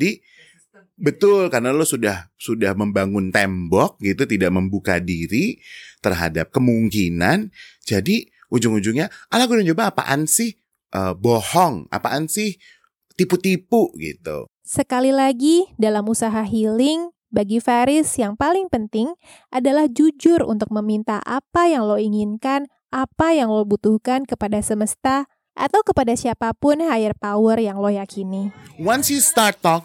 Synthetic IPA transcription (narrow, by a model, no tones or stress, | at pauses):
adi | bət̪ʊlkaɾnalosudahsudahməmbaŋʊnt̪ɛmbɔk̚ɡit̪ut̪idaʔ̚məmbuka̰diɾit̪ərɦa̰dap̚kəmuŋkinand͡ʒadi | ʔuɲd͡ʒʊŋuɲd͡ʒʊŋɲaʔalaɡudad͡ʒobaːpa̰ʔansɪh | ʔəbohɔŋa̰paʔansɪh | t̪iput̪ipuɡḭt̪ṵ | səkalilaɡidalamusaɦaɦilɪŋ | baɡifaɾɪsjaŋpalɪŋpənt̪ɪŋ | ʔadalahd͡ʒud͡ʒʊrṵnt̪ʊk̚məmint̪aʔa̰pajaŋloiŋinkan | ʔapajaŋlobut̪uhkankəpadasəməst̪a | ʔa̰t̪awkəpadasiapapʊnhaɪrpawərjaŋlojakʰiniwansjust̪art̪ɔk̚